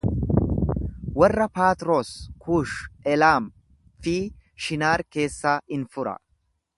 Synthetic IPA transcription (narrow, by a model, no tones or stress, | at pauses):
wɐrːɐpaːt̪ɾo̞ːskʰuːʃɛlaːm | fiː | ʃɪnaːɾke̞ːsːaːɪnfʊɾɐ̰